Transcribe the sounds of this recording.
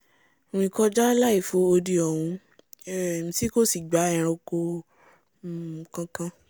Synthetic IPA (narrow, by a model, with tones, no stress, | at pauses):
ĩ˧kɔ˦d͡ʒa˦la˦i˦˨fo˨˦o˧di˧ɔ˨wũ˧˨ | mĩ˧si˦ko˦˨si˨ɡ͡ba˨˦ɛ̃˨˧˨ɾ̃ɔ̃˧ko˧˨ | kã˧kã˧